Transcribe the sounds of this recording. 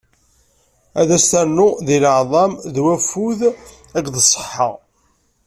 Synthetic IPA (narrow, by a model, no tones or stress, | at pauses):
æðæst̪ænːʊðiləʕðˤɑmðwæfuð | ækːðəsˤːə̥ħːə̰ʁ